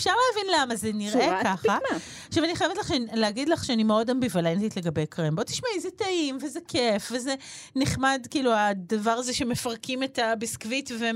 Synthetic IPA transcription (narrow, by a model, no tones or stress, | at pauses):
efʃaʁleavinlamazeniʁekaχa | aχʃavaniχajevetlaχeleaɡidlaχʃeanimeo̞dambivalentitle̞ɡɐbejkʁembot̪i̥ʃmaizetaimvezekʰefvezeniχmadkiːluadavaʁazeʃeme̞fɐʁkimetabiskvitve